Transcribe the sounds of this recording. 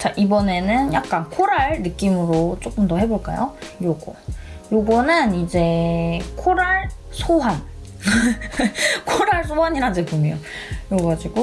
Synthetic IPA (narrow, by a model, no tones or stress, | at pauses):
t͡ɕaʔibʌne̞nɯnjak̚k͈ankʰoɾaɭnɯk͈imɯɾot͡ɕ͈ok͈ɯmdʌɦe̞boɭk͈a̰jojoɡʌjoɡʌnɯnid͡ʑe̞kʰoɾaɭsʰoɦan | kʰoɾaɭsʰoɦaɲiɾadebomjʌjoɡʌɡad͡ʑiɡo